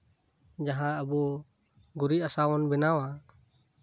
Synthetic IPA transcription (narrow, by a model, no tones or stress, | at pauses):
d͡ʒaɦãəbɔ | ɡuɾiasawɔnbɛnawa